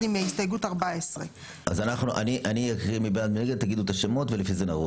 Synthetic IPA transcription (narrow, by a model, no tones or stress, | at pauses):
imːeaist̪ajeɡutaʁbaesʁe | ʔazanaχnuʔa̰niʔanijakʁimibenad̪mieɡed̪̚t̪aɡid̪uet̪aʃemo̞t̪velefizenaʁu